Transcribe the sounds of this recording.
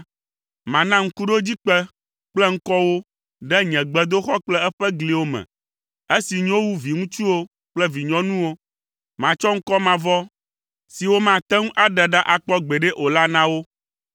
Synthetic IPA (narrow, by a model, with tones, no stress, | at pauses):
mã˨nã˦ŋ̩˦ku˦ɖo˦d͡ʑi˦k͡pɛ˦ | k͡plɛ˦ŋ̩˦kɔ˦wo˦ | ɖɛ˦ɲɛ̃˨ɡ͡bɛ˨d̪o˦xɔ˦k͡plɛ˦ɛ˦ɸɛ˦ɡli˨wo˦mɛ̰̃˨ | e˦si˨ɲ˦õ˦wu˦vi˨ŋũ˦t͡ʃu˦wo˦ | k͡plɛ˦vi˨ɲɔ̃˦nũ˦wo˦ | mã˨t͡ʃɔ˦ŋ̩˦kɔ˦mã˨vɔ˦ | si˨wo˦mã˨t̪ɛ˦ŋũ˦ʔa˦ɖɛ˨ɖa˦ʔa˨k͡pɔ˦ɡ͡be˨ɖɛ˦ʔo˨la˦nã˦wo˦